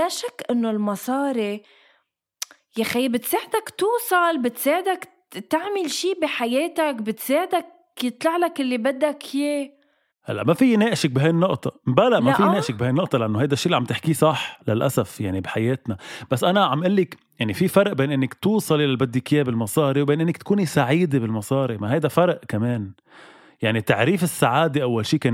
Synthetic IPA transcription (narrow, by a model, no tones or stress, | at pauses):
laʃakːʔɪnːolmɑsˤɑːɾi | jaxajːbɪt̪seːʕɪd̪akt̪uːsˤɑlbɪt̪seːʕɪd̪ak | t̪aʕmɪlʃiːbiħajeːt̪akbɪt̪seːʕɪd̪ak | jɨt̪ˤlɑʕlakʔɪlːibad̪ːakjeː | ha̰lːaʔmafijːneːʔɪʃɪk̚bɪɦajnːʊʔt̪ˤɑbalaʔmafiːeːʔʃɪk̚bɪhajnːʊʔt̪ˤɑlɪʔanːohajd̪aʃːiːliʕambt̪ɪħkisˤɑħlalʔasafjaʕnibɪħajeːt̪nab̥asːʔanaʕambʔɪlːɪk | jaʕnififɑɾˤʔbeːnʔɪnːɪkt̪uːsˤɑlʔɪlalbad̪ːikɪjebɪlmɑsˤɑːɾiwbeːnʔɪnːɪkt̪kuːnisaʕiːd̪ebɪlmɑsˤɑːɾimaɦajd̪afɑɾˤʔkameːn | jaʕnit̪aʕɾiːfɪsːaʕaːd̪eʔawːalʃiːkeː